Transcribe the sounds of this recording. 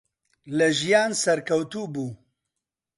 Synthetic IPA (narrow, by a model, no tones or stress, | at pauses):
lɐʒijaːnsɐɾkʰɐwt̪uːbuː